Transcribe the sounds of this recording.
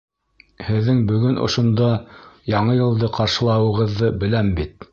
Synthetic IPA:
hɘ̆ðːɘŋbɵ̆ɡɵnʔŏ̰ʃŏnd̪ɑjɑɴɤjɤ̆lˠd̪ɤqɑɾʃɤ̆lˠɑwɤ̆ʁɤ̆ðːɤbɘ̆læmbit̪

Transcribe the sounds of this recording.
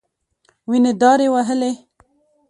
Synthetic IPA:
wined̪ɑɾewaɦəle

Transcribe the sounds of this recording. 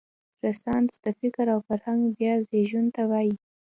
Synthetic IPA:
ɾasɑnsd̪̥əfɪkɾawfaɾhaŋɡbjɑzeʒunt̪awɑji

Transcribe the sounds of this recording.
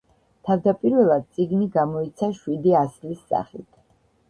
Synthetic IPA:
t̪ʰavd̪apʼiɾvɛlˠad̪̚tsʼiɡniɡamɔit̪sʰaʃwid̪iaslisːa̰χḭt̪ʰ

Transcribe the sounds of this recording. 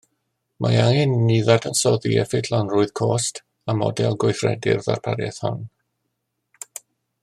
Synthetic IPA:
mʔajaŋɪnːiðadʰənsɔðiɛfɪtʰlanruːɨð̥kʰoːst | amɔ̰dɛlˠɡwojθrɛ̰dɪ̰rða̰rpʰaɾjɛ̰θhɔ̰n

